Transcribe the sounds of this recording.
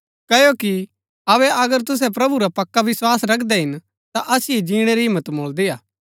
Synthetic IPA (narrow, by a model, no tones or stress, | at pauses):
kɐjoki | ɐβɛʔɐɡəɾt̪ʊs̬ɛp̬ɾɐbuɾapɐkːaʋɪswaːsɾɐkʰd̪ɛɦɪn | t̪aʔɐsied͡ʒĩːɽ̃eɾiɦɪ̃mːət̪moːld̪iaː